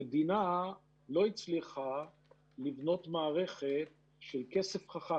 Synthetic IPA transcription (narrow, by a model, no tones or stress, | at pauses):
ed̪ina | lo̞it͡sliχa | livno̞t̪maːʁe̞χet̪̚ | ʃelke̞sefχaχa